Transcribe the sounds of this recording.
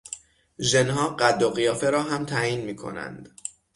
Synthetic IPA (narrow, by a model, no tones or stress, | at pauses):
ʒenɦɒːɢæd̪ːoɣijɒːfe̞ɾɒːɦæmt̪ʰæːjiːnmiːkʰo̞̰næ̰nd̪̥